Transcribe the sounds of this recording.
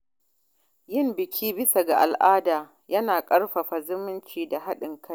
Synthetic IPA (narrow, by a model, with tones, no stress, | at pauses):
jɪ˦mbɪ˨kʲʰiː˦bɪ˦sa˨ɡa˨ʔa̰˨lʔaː˦daː˨ | jɐ˦naː˨kʼɐ˦rɸa˨ɸa˨zʊ˦mɪ˦nt͡ʃiː˨da˨ɦa˦ɗɪ˨ŋkʰa˦j